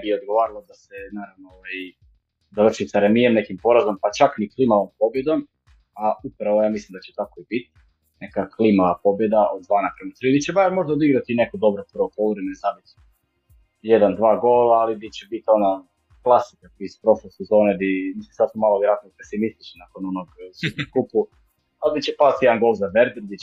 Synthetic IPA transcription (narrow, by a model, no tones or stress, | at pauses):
bijeod̪̚ɡo̞ʋaːɾalˠod̪asenaːɾaʋnooʋaji | d̪avr̩ʃisaɾemijemnekimpo̞ɾazompat͡ʃakniklˠimaʋompo̞bjed̪om | aupɾaʋojaːmislimd̪at͡ɕet̪ako̞ibit̪ | ne̞kaklimaʋapo̞bje̞d̪aʔod̪̚d̪ʋaːnakɾanot̪ɾid̪it͡ɕebaɾmo̞ʒd̪aod̪iɡɾat̪inekod̪o̞bɾoprʋopouɾemenzabit̪ | jed̪and̪ʋaːɡolˠaːlid̪it͡ɕɛbit̪iona | klˠasi̥kakispɾo̞ʃlojsezo̞ːned̪imislimsad̪sumalˠoiɾat̪nope̞simist̪i̥t͡ʃnenakononoɡsud̪nokupu | ald̪it͡ɕɛpat̪jed̪aŋɡo̞lˠzaʋeɾd̪ɾd̪i